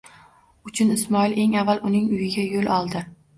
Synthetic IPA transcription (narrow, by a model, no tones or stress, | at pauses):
ʊt͡ʃʰʊnɪsmɒɪle̞ŋavːalʔʊnɪŋʊjɪɡʲajolɒlˠd̪ɪ